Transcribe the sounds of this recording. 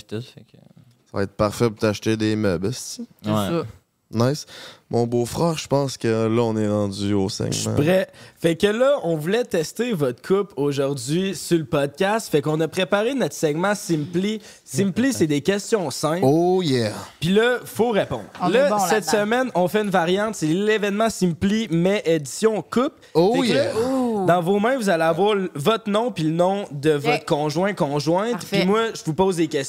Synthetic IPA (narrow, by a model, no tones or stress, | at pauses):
pt̪ʊfɛk | sav̰ɛ̰ɪt̪̚paʁfɛpuʁt̪aʃt̪ed̪emœbst̪i | naɪsmɔ̃bofʁɛːʁʒəpɑ̃skəlʌɔ̃nɛʁɑ̃d͡zyosɛ̰ɡmã̰pʁɛfɛkːəlʌɔ̃vulɛt̪ɛst̪evɔt̪kʰʊpoʒʊʁd͡zɥisulpɔd̪̚kʲast̪fɛkɔ̃nɐpχepaʁenɔt̪sɛɡmãsɪmpli | simplised̪ekʲɛst͡sjɔ̃sɛ̃o | pilʌfoʁepɔ̰̃d̪lʌsɛt̪səmɛnɔ̃fɛynvaʁjɑ̃t̪selevɛnmɑ̃sĩmplimɛʔed͡z̪i̥sjɔ̃kʊp | ofɛ | d̪ɑ̃vomɛ̃vuzaleavwaːʁlvɔt̪χnɔ̃pilənɔ̃d̪əvɔt̪χkɔ̃ʒwɛ̃kɔ̃ʒwɛ̃t̪pimwaʒəvupoːzd̪ekʲɛs